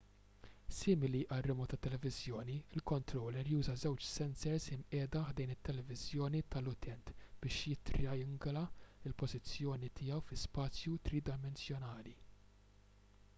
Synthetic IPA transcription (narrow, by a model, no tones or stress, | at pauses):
sɪːmɪliʔɐrːɪmɔt̪ɐt̪ːɛlɛvɪzjɔːniɪlkɔnt̪ɾɔːlɛɾjuːzɐzɛwt͡ʃsɛnsɛɾsɪmʔɛːd̪ɐħd̪ɛjnɪt̪ːɛlɛvɪzjɔːnit̪ɐlʊt̪ʰɛnt̪b̥ɪːʃjɪt̪ɾɪɐjɪŋɡlɐɪlpɔzɪt͡sːjɔːnit̪ʰɪːɛwfɪspɐːt͡sjut̪ɾiːd̪ɐmɛnsjɔnɐːli